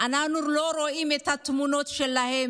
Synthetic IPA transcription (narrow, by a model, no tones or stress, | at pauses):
anaχnulo̞ɾoimet̪hat̪munotʃelːahem